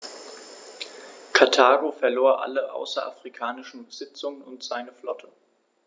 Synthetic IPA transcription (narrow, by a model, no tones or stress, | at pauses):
kʰatʰaːɡofɛɐloːɐʔa̰ləʔa̰ʊsɐ̰ʔa̰fʁ̥ikʰaːnɪʃn̩bəz̥ɪt͡sʊŋənʊntz̥aɪnəflɔ̰tʰə